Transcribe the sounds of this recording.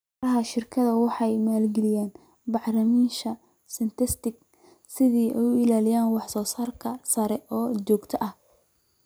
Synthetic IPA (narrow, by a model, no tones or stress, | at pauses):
ɾɐɦɐʃɪrkʰɐðɐwɑħɑjmaːlɡɛlɪjaːn | bɑħlɐmiːʃɐ | sɪnt̪ʰɪst̪ɪɡ | sɪðiːʔɛ̰jʊɪlaːlɪjaːnwɑħsɔːsaːrkʰɐsɐɾɛʔɔːt͡ʃɔːɡt̪ʰɐʔɐh